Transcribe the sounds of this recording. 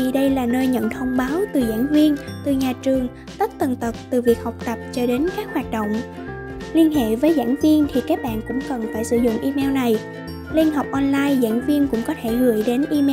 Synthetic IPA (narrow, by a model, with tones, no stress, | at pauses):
i˨˩ɗə˧jlaː˨˩nəː˧jɲə̰˧˨nt̪ʰə˧wŋ͡mɓaː˨˦wt̪ɨ˨˩za̰ː˧˥nvi˧ənt̪ɨ˨˩ɲaː˨˩t͡ɕɨ˨˩əŋ | t̪ə˦˥t̚t̪ə˨˩nt̪ə˨˩p̚t̪ɨ˨˩vi˨˩ək̚hɔ˨˩wk͡p̚t̪ə˨˩p̚t͡ɕɔ˧ɗe˨˦nkaː˦˥k̚hwaː˨˩t̚ɗo̰˧˨wŋ͡m | li˧ənɦḛ˧˨vəː˨˦jza̰ː˧˥nvi˧ənt̪ʰi˨˩kaː˦˥k̚ɓa̰ː˧˨nkʊ̰˧˥ŋ͡mkə˨˩nfaː˧˩jsɨ̰˧˩zʊ̰˧˨ŋ͡mʔi˧mɛ˧wna˨˩j | li˧ənɦə˨˩wk͡p̚ʔɔ˧nlaː˧jza̰ː˧˥nvi˧ənkʊ̰˧˥ŋ͡mkɔ˨˦t̪ʰe˧˩ɣɨ̰˧˩əjɗe˨˦nʔi˧m˧